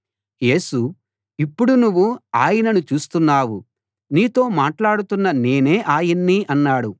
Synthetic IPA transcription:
je̞ːsu | ipːuɽunuʋːua̰ːjɐnɐnut͡ʃuːst̪unːaːwu | niːt̪o̞ːmaːʈlaːɽut̪unːɐne̞ːne̞ːʔaːjɐnːiʔɐnːaːɽu

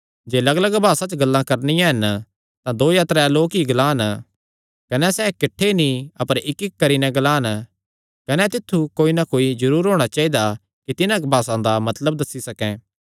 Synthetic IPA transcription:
d͡ʒeːlɐɡələɡbʱaːsãt͡ʃɡɐlːãkɐɾnɪjãɦɐn | t̪ãd̪oːjaːt̪ɾɛloːkiɡlaːn | kɐnɛsɛːkɪʈʰːenĩɐpəɾɪkːɪkːɐɾinɛɡɐlaːn | kɐnɛt̪ɪt̪ʰːukoːinakoːid͡ʒɐɾuːɾɦoːɽ̃at͡ʃaːid̪a | kit̪ɪnãbʱaːsãd̪amɐt̪ləb̚d̪ɐsːisɐkɛ̃ː

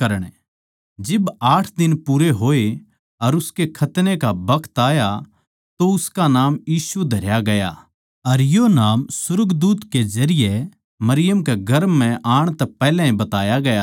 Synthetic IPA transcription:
kɐɾəɽ̃ | d͡ʒɪbaːʈʰd̪ɪnpuɾeɦoːe | ɐɾʊskekʰɐt̪nekabɐkʰt̪aːja | t̪oʊskanaːmjiːsud̪ʱɐɾjaɡɐja̰ | ɐɾjonaːmsʊɾɡd̪uːt̪kezɐɾɪje | mɐɾɪjəmkeɡɐɾmːɛ̃ʔaːɽ̃t̪ɛpɛːlɛ̃ɦĩbɐt̪aːjaɡɐja

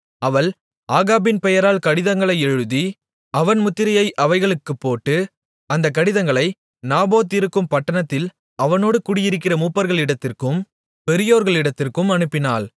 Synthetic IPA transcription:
ɐʋɐɭ | aːɣaːbɪnpɛjɐɾaːlkɐɽɪðɐŋɡɐɭɐɪɛɻɯði | ɐʋɐnmʊt̪ːɪɾɐjɐɪʔɐʋɐɪɣɐɭɯkːɯpːoːʈːɯ | ɐnd̪ɐk̬ːɐɽɪðɐŋɡɐɭɐɪ | naːboːt̪ːɪɾɯkːɯmpɐʈːɐnɐt̪ːɪl | ɐʋɐnoːɽɯkʊɽɪjɪɾɯk̬ːɪrɐmuːpːɐɾɣɐɭɪɽɐt̪ːɪrkɯm | pɛɾɪjoːɾɣɐɭɪɽɐt̪ːɪrkɯmɐnɯpːɪnaːl

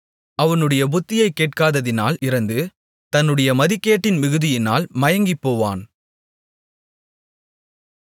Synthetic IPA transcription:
ɐʋɐnɯɽɐjɐbʊt̪ːɪjɐɪkːeːʈ̚kaːðɐðɪna̰ːlɪɾɐnd̪ɯ | t̪ɐnːɯɽɐjɐmɐðɪkːeːʈːɪnmɪɣɯðɪjɪna̰ːlmɐjɐŋɡɪpːoːʋa̰ːn

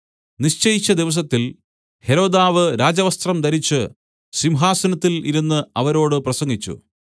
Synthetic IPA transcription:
niɕt͡ɕɐjit͡ɕːɐd̪iʋɐs̬ɐt̪ːil | he̞ɾo̞ːd̪aːʋɨɾaːd͡ʑɐʋɐst̪rɐmd̪ɐɾit͡ɕːɨ | simɦaːsɐnɐt̪ːiliɾunːɨɐʋɐɾo̞ːɽɨprɐsɐŋɡit͡ɕːṵ

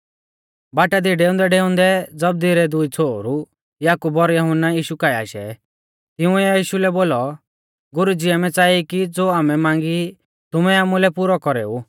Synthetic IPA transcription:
baːʈad̪iɖeːʊ̃nd̪ɛɖeʊ̃nd̪ɛd͡zɐb̚d̪iɾɛd̪ʊit͡sʰoːɾu | jaːkubɔɾjɔɦʊnːajiːʃukaːia̰ːʃɛ̰ | t̪ɪũɛjiːʃulɛboːlɔ | ɡʊɾud͡ziamɛt͡saːikid͡zoːaːmɛmãːŋɡi | t̪ʊmɛaːmulɛpuɾɔkɔɾḛːu

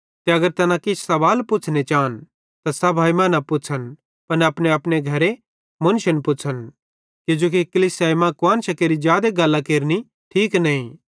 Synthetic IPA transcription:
t̪eɐɡəɾt̪ɐnãkɪt͡ʃʰsɐʋaːlpʊt͡ʃʰnet͡ʃaːn | t̪asɐbʱaːimãnapʊt͡ʃʰən | pɐnɐpneɐpneɡʱɐɾe | mʊnʃənpʊt͡ʃʰən | kɪd͡ʒoːk̬ikɐlisaːmãkʊãːnʃɐkeːɾid͡ʒjaːd̪eɡɐlːakeːɾni | ʈʰiːknɐ̃ĩ

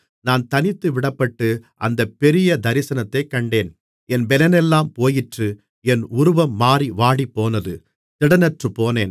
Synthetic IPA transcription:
naːnt̪ɐnɪt̪ːɯʋɪɽɐpːɐʈːɯʔɐ̰nd̪ɐpːɛɾɪjɐd̪ɐɾɪsɐnɐt̪ːɐɪkɐɳɖeːn | ɛnbɛlɐnɛlːaːmpoːjɪʈrɯ | ɛnʊɾʊʋɐmːaːɾiʋaːɽipːoːnɐðɯ | t̪ɪɽɐnɐʈrɯpoːneːn

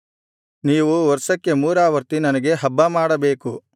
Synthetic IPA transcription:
niːʋuʋɔɾsɐkːe̞muːɾaːʋɐɾt̪inɐnɐɡe̞ɦɐbːɐmaːɽɐbe̞ːku

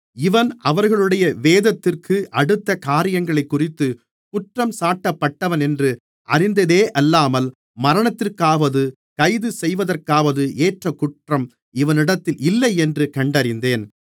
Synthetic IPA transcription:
ɪʋɐnɐʋɐɾɣɐɭɯɽɐjɐʋeːðɐt̪ːɪrkʰɯʔɐɽɯt̪ːɐkaːɾɪjɐŋɡɐɭɐɪkːʊrɪt̪ːɯ | kʊʈrɐmsaːʈːɐpːɐʈːɐʋɐnɛndrɯ | ʔɐrɪnd̪ɐðeːʔɐlːaːmɐl | mɐɾɐɳɐt̪ːɪrkaːʋɐðɯ | kɐɪðɯsɛjʋɐðɐrkaːʋɐðɯʔeːʈrɐkʊʈrɐm | ɪʋɐnɪɽɐt̪ːɪlɪlːɐɪɛndrɯkɐɳɖɐɾɪnd̪eːn

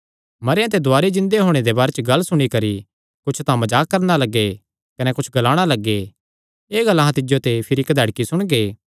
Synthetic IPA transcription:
mɐɾjãt̪ed̪ʊaːɾed͡ʒɪ̃nd̪eɦoːɽ̃ed̪ebaːɾet͡ʃɡɐlːsʊɽ̃ikɐɾi | kʊt͡ʃʰt̪ãmɐd͡ʒaːkːɐɾnalɐɡːe | kɐnɛkʊt͡ʃʰɡɐlaːɽ̃alɐɡːe | eːɡɐlːaɦãt̪ɪd͡ʒjot̪epʰɪɾiɪkd̪ʱɐːɽkisʊɽ̃ɡeː

